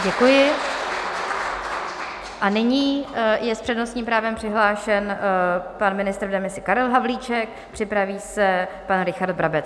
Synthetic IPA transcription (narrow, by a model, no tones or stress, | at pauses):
ɟɛkujɪ | ʔanɪɲiːjɛspr̥ɛdnost̪ɲiːmpɾaːvɛmpr̥ɪɦlaːʃɛnpanmɪnɪst̪ɾdɛmɪsɪkaɾɛlɦavliːt͡ʃɛk̚pr̥ɪpɾaviːsɛpanɾɪxaɾd̪̚bɾabɛt͡s